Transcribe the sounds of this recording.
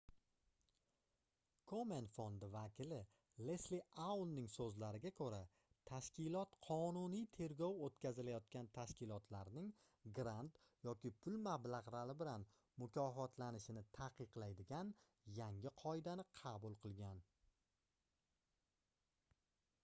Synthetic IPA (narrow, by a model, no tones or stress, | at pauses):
kʰome̞nfond̪ɪvakʲʰɪlɪ | lesliawlnɪŋsɵzlaɾɪɡʲakʰɵɾa | t̪ʰaʃkʲɪlɒt̪qʰɒnʊnijt̪ʰe̞ɾɡʲɒwot̪kʲʰazɪlajɒt̪̚kʲant̪ʰaʃkʲɪlɒt̪ʰlaɾnɪŋ | ɡɾant̪ | jɒkʲɪpʰʊlmablaʁɾalɪbɪlan | mʊkʲʰɒfɒt̪ʰlanɪʃɪnɪt̪ʰaqʰɨqlajd̪ɪɡʲan | jaŋɪqʰɒɪd̪anɪqʰɑbʊlˠqʰɨlˠɡʲan